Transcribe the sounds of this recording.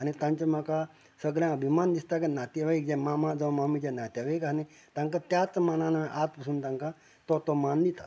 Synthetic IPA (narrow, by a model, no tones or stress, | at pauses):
añit̪ãɲt͡ɕamaka | səɡɾjãəbʱimand̪ist̪akenat̪eʋaik̚d͡ʑɛ̃mamãd͡zəʋmamid͡ʑẽnat̪jaʋaikani | t̪ãŋkat̪jat͡smanãnaʔat̪pəsuːnt̪ãŋka | t̪ɔt̪ɔmand̪it̪at̪